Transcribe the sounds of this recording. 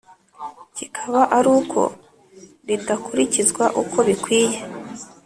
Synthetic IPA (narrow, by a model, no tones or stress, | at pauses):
cikʰaβaʔaɾuːkʰo̞̰ | ɾidakuɾicizɡwaʔuko̞βikwiːje̞